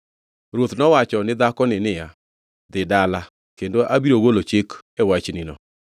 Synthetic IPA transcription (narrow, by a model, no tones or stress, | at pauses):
ɾwot̪nɔwat͡ʃɔnɪd̪akɔnɪnɪja | d̪ɪdala | kendoʔabiɾoɡolot͡ʃekɛwat͡ʃnɪnɔ̰